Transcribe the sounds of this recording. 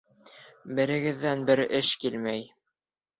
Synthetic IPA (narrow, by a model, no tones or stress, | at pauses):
bɘ̆ɾɘ̆ɡɘ̆ðːænbɘɾɘʃkilmæj